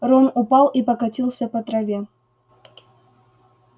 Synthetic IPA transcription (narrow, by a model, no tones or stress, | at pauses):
ronʊpɑlˠipəkɐtʲilˠsʲəpɐt̪ɾɐvʲe